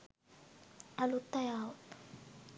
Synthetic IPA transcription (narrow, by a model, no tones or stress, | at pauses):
alut̪ajawt